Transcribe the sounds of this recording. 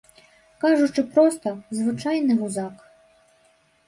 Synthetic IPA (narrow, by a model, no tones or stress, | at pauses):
kɑʒʊt͡ʃɪpɾɔst̪ɔzʋɪt͡ʃɑjnɪmʊzɑk